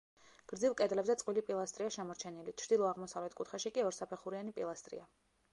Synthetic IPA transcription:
ɡ̥ɾd̪zilˠkʼɛd̪lɛbzɛt̪sqʼwilipʼilˠast̪ʼɾiaʃɛmɔɾt͡ʃʰɛnilit͡ʃʰɾd̪ilˠɔaʁmɔsavlɛt̪kʼut̪χaʃikʼiɔɾsapʰɛχuɾianipʼilˠast̪ʼɾḭa

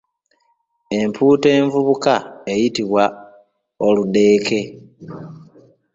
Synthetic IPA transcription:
e̞mpʰuːte̞ːɱvuβukaejitiβwa | olude̞ːke̞

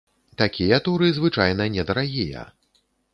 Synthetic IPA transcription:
t̪akʲijɐt̪uɾɨzvɨt͡ʂajnɐnʲɛd̪ɐɾaɣʲijɐ̰

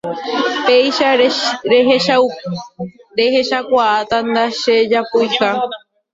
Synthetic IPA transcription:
pejʃaɾeɦeʃaw | ɾeheʃakʷaʔat̪and̪aʃed͡ʒapujʃa

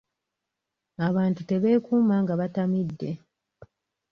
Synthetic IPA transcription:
aβaːntute̞βe̞ːkuːmaːŋɡaβatamidːe̞

